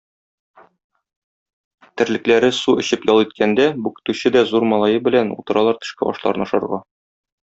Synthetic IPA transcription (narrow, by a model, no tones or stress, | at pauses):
t̪ɘ̆ɾlɘ̆klæɾɘsuɘ̆ɕɘpjɒlˠit̪̚kʰænd̪æbʉkɘ̥̆t̪ʉɕɘd̪æzuɾmɒlˠɑjɤbɘ̆lænṵt̪ɤ̆ɾɑlˠɑɾt̪ɘ̥̆ʃkæɒ̰ʃlˠɑ̰ɾɤnɒʃɤ̆ɾʁɑ